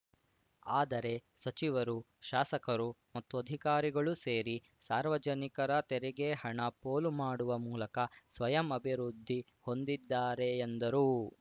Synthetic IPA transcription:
aːd̪ɐɾe̞sɐt͡ʃiʋɐɾu | ʃaːsɐkɐɾumɐt̪ːuɐd̪ʱikaːɾiɡɐɭuse̞ːɾi | saːɾʋɐd͡ʒɐnikɐɾɐt̪ɛɾɛɡeɦɐɳɐpoːlumaːɽuʋɐmuːlɐkɐsʋɐjɐmɐbʱiɾud̪ʱːi | ho̞nd̪id̪ːaːɾe̞ːnd̪ɐɾu

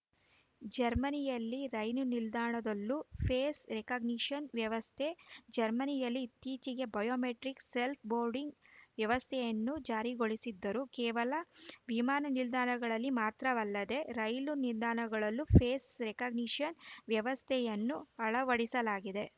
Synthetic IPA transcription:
d͡ʒɐɾmɐnijɐlːiɾɐjnunild̪aːɳɐd̪ɐlːupʰeːsɾekɐɡniʂɐnʋjɐʋɐst̪ʰed͡ʒɐɾmɐnijɐlːit̪iːt͡ʃiɡe̞bɐjoːmeʈɾikse̞lp̚ʰboːɾɖiŋɡʋjɐʋɐst̪ʰɛjɐnːud͡ʒaːɾiɡoɭisid̪ːɐɾukɛːʋɐlɐʋimaːnɐnild̪aːɳɐɡɐɭɐlːimaːt̪ɾɐʋɐlːɐd̪e̞ɾɐjluniɾd̪aːɳɐɡɐɭɐlːupʰeːsɾekɐɡniʂɐnʋjɐʋɐst̪ʰɛjɐnːuɐɭɐʋɐɽisɐlaːɡid̪e̞

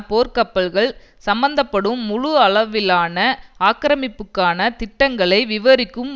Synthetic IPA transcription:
poːɾkɐpːɐlɣɐɭ | sɐmbɐnd̪ɐpːɐɽɯmːʊɻʊɐɭɐʋɪlaːnɐaːkɪɾɐmɪpːɯkːaːnɐt̪ɪʈːɐŋɡɐɭɐɪʋɪʋɐɾɪkːɯm

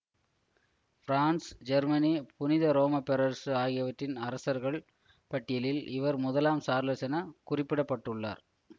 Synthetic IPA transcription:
fɾaːnsd͡ʒɐɾmɐnipʊnɪðɐɾoːmɐpɛɾɐɾsaːɣɪjɐʋɐʈrːɪnɐɾɐsɐɾɣɐɭ | pɐʈːɪjɐlɪlʔɪ̰ʋɐɾmʊðɐlaːmsaːɾlɐsɐnɐkʊrɪpːɪɽɐpːɐʈːɯɭːa̰ːɾ

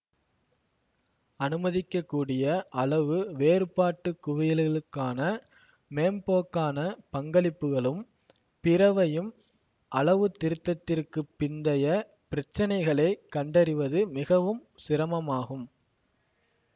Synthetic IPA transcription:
ɐnɯmɐðɪkːɐkːuːɽɪjɐʔɐɭɐʋɯʋeːɾɯpaːʈːɯkːʊʋɐjɪlɪɭɯkːaːnɐ | meːmpoːkːaːnɐpɐŋɡɐɭɪpːɯɣɐɭɯm | pɪɾɐʋɐjɯm | ʔɐɭɐʋɯt̪ːɪɾɯt̪ːɐt̪ːɪrkɯpːɪnd̪ɐjɐ | pɪɾɐt͡ʃːɐnɐɪɣɐɭɐɪkːɐɳɖɐɾɪʋɐðɯmɪɣɐʋɯmsɪɾɐmɐmaːɣɯm

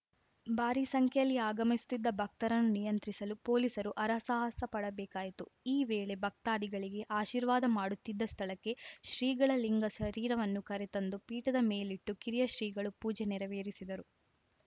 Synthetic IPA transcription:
bʱaːɾisɐŋkʰɐjɐlːiaːɡɐmisu̥t̪ːid̪ːɐbʱɐk̚t̪ɐɾɐnːunijɐnt̪ɾisɐlupo̞ːlisɐɾuʔɐɾɐsaɦɐsɐpɐɽɐbɛːkaːjit̪uiːʋeːɭe̞bʱɐk̚t̪aːd̪iɡɐɭiɡe̞ʔaːʃiːɾʋaːd̪ɐmaːɽut̪ːid̪ːɐst̪ʰɐɭɐkːe̞ʃɾiːɡɐɭɐliŋɡɐʃɐɾiːɾɐʋɐnːukɐɾet̪ɐnd̪upiːʈɐd̪ɐme̞ːliʈːukiɾijɐʃɾiːɡɐɭupuːd͡ʒeniɾɐʋeːɾisid̪ɐɾu

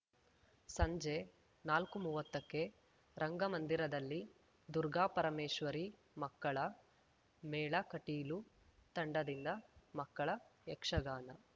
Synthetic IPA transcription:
sɐɲd͡ʒe | naːlkumuːʋɐt̪ːɐkːe̞ | ɾʔɐŋɡɐmɐnd̪iɾɐd̪ɐlːi | d̪uɾɡaːpɐɾɐmeːʃʋɐɾi | mɐkːɐɭɐ | mɛːɭɐkɐʈiːlu | t̪ɐɳɖɐd̪ind̪ɐmɐkːɐɭɐɛkʂɐɡaːnɐ

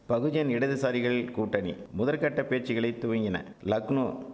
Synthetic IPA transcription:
pɐɣɯd͡ʒɐnɪɽɐðɯsaːɾɪɣɐɭɪlkuːʈːɐnḭmʊðɐlkɐʈːɐpeːʈt͡ʃɪɣɐɭɐɪt̪ːʊʋɐŋɡɪnɐ̰ | lɐknoː

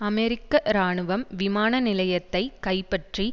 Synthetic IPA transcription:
ɐmɛɾɪkːɐɾaːɳɯʋɐmʋɪmaːnɐnɪlɐjɐt̪ːɐɪkɐɪpɐʈri

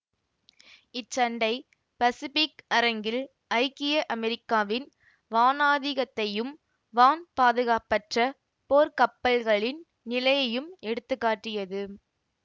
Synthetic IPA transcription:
ɪt͡ʃːɐɳɖɐɪ | pɐsɪfɪkɐɾɐŋɡɪl | ɐɪkɪjɐʔɐmɛɾɪkːaːʋɪn | ʋaːnaːðɪɣɐt̪ːɐjɯm | ʋaːnpaːðɯɣaːpːɐʈrɐ | poːɾkɐpːɐlɣɐɭɪn | nɪlɐjɐjɯmɛɽɯt̪ːɯkːaːʈːɪjɐðɯ

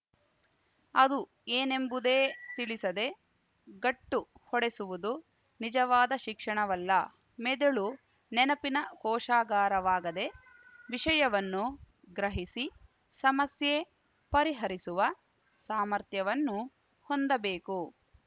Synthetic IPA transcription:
ɐd̪u | eːne̞mbud̪e̞ːt̪iɭisɐd̪e̞ | ɡɐʈːuhɔɽesuʋud̪u | nid͡ʒɐʋaːd̪ɐʃikʂɐɳɐʋɐlːɐ | med̪eɭu | nɛnɐpinɐkɔːʃaːɡaːɾɐʋaːɡɐd̪e̞ | ʋiʃɐjɐʋɐnːu | ɡɾɐɦisi | sɐmɐsje | pɐɾiɦɐɾisuʋɐ | saːmɐɾt̪jɐʋɐnːu | hond̪ɐbe̞ːku

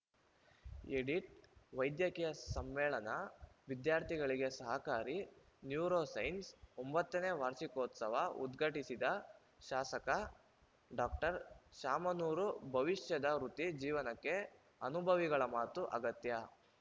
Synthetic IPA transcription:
eɽiʈʋɐjd̪jɐkijɐsɐmːɛːɭɐnɐʋid̪jaːɾt̪ʰiɡɐɭiɡe̞sɐɦɐkaːɾi | njuːɾoːsɐjnsombɐt̪ːɐneːʋaːɾʃikoːt̪sɐʋɐṵd̪ɡʱɐʈisid̪ɐ | ʃaːsɐkɐ | ɖaːk̚ʈɐɾʃaːmɐnuːɾubʱɐʋiʃjɐd̪ɐɾut̪id͡ʒiːʋɐnɐkːe̞ | ɐnubʱɐʋiɡɐɭɐmaːt̪uʔɐɡɐt̪jɐ

